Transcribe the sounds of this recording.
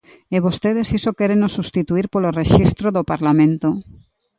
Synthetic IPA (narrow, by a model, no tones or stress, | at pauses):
eβost̪eðesisokeɾenosust̪it̪uiɾpoloreʃist̪ɾoðopaɾlamẽnt̪o